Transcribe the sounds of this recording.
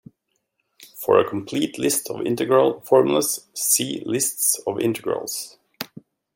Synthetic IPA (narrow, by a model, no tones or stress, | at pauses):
fəɹəkʰɔmpʰl̥iːtʰlɪstʰɔvɪ̰̃ntəɡɹəl̩ˠfɔɹmjl̩ˠəssiːlɪstsɔvɪ̰̃ntʰəɡɹə̰lˠs